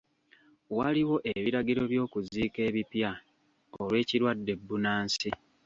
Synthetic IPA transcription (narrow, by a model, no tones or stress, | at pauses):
waliwo̞ʔeβiɾaɡiɾo̞βjo̞ːkuziːke̞ːβipja | olwe̞ːciɾwadːe̞bːunaːnsi